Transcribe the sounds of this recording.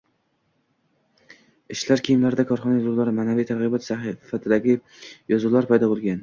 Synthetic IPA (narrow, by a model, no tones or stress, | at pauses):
ɪʃlaɾkʲʰijɪmlaɾɪd̪akʰɒɾχɒnajɒzʊlˠaɾɪmaːnavijt̪ʰaɾʁɨbɒt̪safat̪ʰɪd̪aɡʲɪ | jɒzʊlˠaɾpʰajd̪ɒbolˠɡʲan